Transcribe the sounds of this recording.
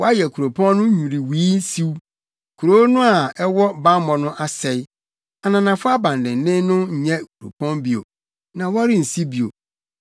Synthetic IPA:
wɔ˦a˦jɛ˨kʰu˨ɾo˨pʰɔ̃˦nː˦ʊ̃˦ɲũ˨ɾi˨wiː˦si˦w | kʰu˨ɾo˦nʊ̃˦a˨ɛ˦wɔ˦ba˦mɔ̃˨nʊ̃˦ʔa˦sɛ˨ɪ˦ | a˨nã˨nã˨fʊ˦a˦bã˨ndɪ̃˨n˨nɪ̃˦nʊ̃˦ɲ̩˨ɲɛ̃˦˨kʰu˨ɾo̰˨pʰɔ̃˦nbi˨o̰˨ | nã˨wɔ˦ɾɪ˦n̩˨si˦bi˨o̰˨

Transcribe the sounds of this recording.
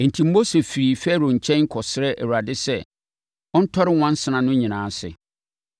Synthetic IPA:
ɛ˨n̩˨tʰĩ˨m̩˦bo˦se˨fi˨ɾi˨fɛ˦ɾo˨ɲ̩˨t͡ɕʰɛ̃˦ŋ̩˦kʰɔ˨sɪ˦ɾɛ˦ʔɛ̰˨wu˨ɾa˨dɪ˦sɛ˦˨ | ɔ̃˦n̩˦tʰɔ˦ɾɪ˦wã˦n˦sɪ˨nã˨nʊ̃˦ɲĩ˨nãː˨˦sɪ̰˨

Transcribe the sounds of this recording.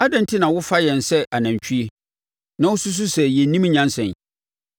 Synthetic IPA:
a˦dã˦n˦tʰi˦nã˨wʊ˦fa˦jɛ̃˨nsɛ˦ʔa˨nã˨ɲ˨t͡ɕᶣʰu˦e˦ | nã˦wʊ˦su˦s̬u˦sɛ˨jɛ˨˦nĩ˦m˦ɲã˦nsɛ̃˨n

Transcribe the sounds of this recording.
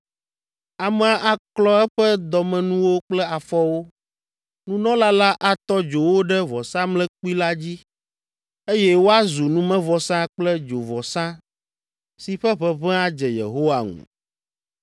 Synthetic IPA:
a˨mɛ˨a˨ʔa˨klɔ˦ɛ˦ɸɛ˦d̪ɔ˨mɛ̃˨nũ˦wo˦k͡plɛ˦a˨fɔ˦wo˦ | nũ˦nɔ̃˦la˦la˦ʔa˨t̪ɔ˦d͡ʒo˨wo˦ɖɛ˦vɔ˨sã˦mlɛ̃˦k͡pu˦i˦la˦d͡ʑi˦ | e˦jɛ˦wo˦a˦zu˨nũ˦mɛ̃˦vɔ˨sã˦k͡plɛ˦d͡ʒo˨vɔ˨sã˦ | si˨ɸɛ˦ɸɛ˦βɛ̃˦a˦d͡ʒɛ˨jḛ˨ɦo˦wa˨ŋṵ̃˨

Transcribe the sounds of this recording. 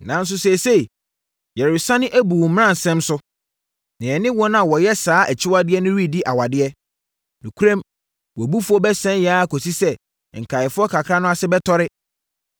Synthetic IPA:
nã˨n̩˦s̬ʊ˦se˨se˦˨ | jɛ˨ɾɪ˨sã˦nɪ̃˦ʔæ˦bu˨m̃˦ã˦˨n˨sɛ̃˦msʊ˦ | nɪ̃˨ɛ˨nɪ̃˦wɔ˦n˦ã˨wɔ˨jɛ˦saː˨˦ʔæ˨t͡ɕʰɪ˦wa˦dɪ˦ɛ˦nʊ̃˦ɾi˦di˦ʔa˨wa˨dɪ˦ɛ˦ | nũ˨kʰu˦ɾã˦m | wɔ˨bu˦fʊ˦ɔ˦bɛ˦sɛ̃˦njaː˦˨kʰo˨si˦sɛ˦˨ | ŋ̩˨kʰa˨ɪ˨fʊ˦ɔ˦kʰa˨kʰɾa˦nʊ̃˦a˦sɪ˦bɛ˦tʰɔ˦ɾɪ˦

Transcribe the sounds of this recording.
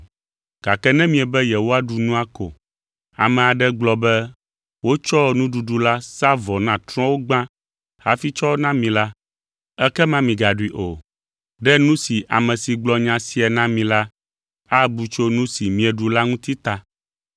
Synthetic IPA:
ɡ̥a˨kɛ˦nɛ̃˦mĩ˨ɛ˨bɛ˦jɛ˨wo˦a˦ɖu˨nũ˦a˦ko̰˨ | a˨mɛ̃˨a˨ɖɛ˦ɡ͡blɔ˨bɛ˦ | wo˦t͡ʃɔ˦nũ˦ɖu˨ɖu˨la˦sa˦vɔ˨nã˨t̪ɾɔ̃˦wo˦ɡ͡bã˦ | ha̰˦fi˦t͡ʃɔ˦wnã˦mĩ˨la˦ | ɛ˦kɛ˦mã˦mĩ˨ɡa˨ɖu˦i˨˦ʔo˨ | ɖɛ˦nũ˦si˨ʔa̰˨mɛ̃˨si˨ɡ͡blɔ˨ɲã˨si˨ɛ˨nã˦mĩ˨la˦ | a˦bu˨t͡ʃo˦nũ˦si˨mĩ˨ɛ˨ɖu˨la˦ŋũ˦t̪i˦t̪a˨

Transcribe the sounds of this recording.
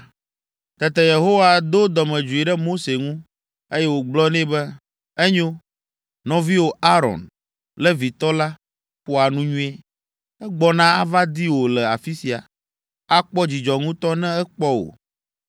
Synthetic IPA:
t̪ɛ˨t̪ɛ˨je˨ɦo˦wa˨d̪o˦d̪ɔ˨mɛ̃˨d͡ʒu˨i˨ɖɛ˦mo˦se˨ŋũ˦ | e˦jɛ˦wo˨ɡ͡blɔ˦nɛ̃˦bɛ˦ | ɛ˦ɲo˦ | nɔ̃˨vi˦wo˨a˦ɾɔ̰˨n | lɛ˦vi˨t̪ɔ˦la˦ | ɸo˦a˨nũ˦ɲũ˦e˦ | ɛ˦ɡ͡bɔ˨nã˦a˦va˦d̪i˦wo˨lɛ˨a˨fi˦si˨a̰˨ | a˦k͡pɔ˦d͡ʑi˨d͡ʒɔ˨ŋũ˦t̪ɔ˦nɛ̃˦ɛ˦k͡pɔ˦wo̰˨

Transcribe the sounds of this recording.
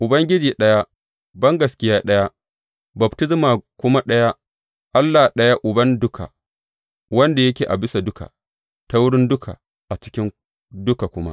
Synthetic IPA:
ʔʊ˨bɐ˦ŋɡʲɪ˦d͡ʒiː˨ɗɐ˦ja˦ | bɐ˦ŋɡɐ˨skʲɪ˦jaː˦ɗɐ˦ja˦ | bɐ˨btɪ˦zmaː˨kʷʊ˦ma˦ɗɐ˦ja˦ | ʔa˦lːa˨ɗɐ˦ja˦ʔʊ˨bɐ˦ndʊ˦kʰa̰˨ | wɐ˦nda˨jɐ˦kʲeː˨ʔa̰˨bɪ˦sa˨dʊ˦ka̰˨ | ta˦wʊ˦ɽɪ˦ndʊ˦kʰa̰˨ | ʔa˨t͡ʃɪ˦kʲɪ˦ŋ | dʊ˦ka˨kʷʊ˦ma̰˦ʔ

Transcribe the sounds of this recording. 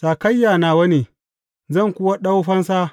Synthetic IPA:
saː˨kɐ˦jːaː˨naː˨wɐ˦neː˨ | zɐ˦˨ŋkʷʊ˦wa˦ɗa˦wɸɐ˦nsaː˦

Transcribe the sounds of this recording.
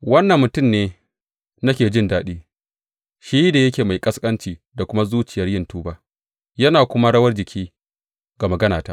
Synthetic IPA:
wɐ˦nːɐ˨mːʊ˨tʊ˦˨mneː˨˦ | nɐ˦kʲeː˨d͡ʒɪ˦ndaː˦ɗiː˦ | ʃi˦da˨jɐ˦kʲeː˨ma˨jkʼɐ˦skʼɐ˦nt͡ʃiː˨da˨kʷʊ˦ma˦zuː˦t͡ʃɪ˨jɐ˦rjɪ˦ntuː˦baː˦ | jɐ˦naː˨kʷʊ˦ma˦ɽɐ˦wɐ˦rd͡ʒɪ˨kʲʰiː˦ | ɡa˨mɐ˨ɡɐ˦naː˨taː˦ʔ

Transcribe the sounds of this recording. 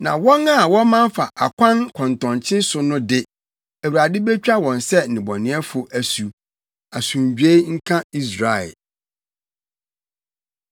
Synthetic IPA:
nã̰˨wɔ̃˦na˦˨wɔ̃˦mã˦ɱ˦fa˨ʔa˨kʷʰã˦nkʰɔ̃˨ntɔ̃˨nt͡ɕʰɪ̃˦sʊ˨nʊ̃˦dɪ˦ | æ˨wu˨ɾa˨dɪ˦be˦t͡ɕᶣa˦wɔ̃˨n˨sɛ˦˨nɪ̃˨bɔ˨nɪ̃˨˦ɛ˦fʊ˨ʔæ˨su˨ | a˨sũ˨ɲ˨d͡ʑᶣe˦ŋ̩˦kʰã˦i˦s̬ɾa˨ɛ̰˨

